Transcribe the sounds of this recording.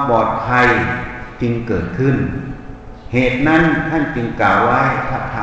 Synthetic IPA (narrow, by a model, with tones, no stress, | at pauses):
pɔː˨˩t̪̚k̪ʰa˧jt͡ɕɯ˧ŋkɤː˨˩t̪̚kʰɯ˧˥˩n | heː˨˩t̪̚na˦˥˨nt̪ʰa˥˩˨nt͡ɕɯ˧ŋkaː˨˩wːa˦˥˩jpʰa˧˩p̚t̪ʰaː˧